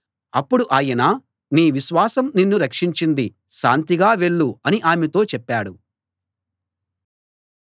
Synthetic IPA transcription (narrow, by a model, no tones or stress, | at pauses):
ɐpːuɽuʔaːjɐnaː | niːʋiʃʋaːsɐmninːuɾɐkʂiɲt͡ʃind̪i | ʃa̰ːnt̪iɡaːʋe̞ɭːuɐniʔaːmɛt̪o̞ːt͡ʃɛpːaːɽu